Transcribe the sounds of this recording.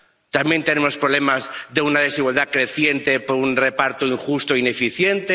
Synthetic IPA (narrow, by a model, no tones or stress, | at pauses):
t̪amje̞nt̪e̞ne̞mo̞spɾole̞mazðe̞unað̞e̞siɣwald̪akɾe̞θje̞nt̪e̞poɾunre̞paɾt̪oiŋxust̪oine̞fiθje̞nt̪e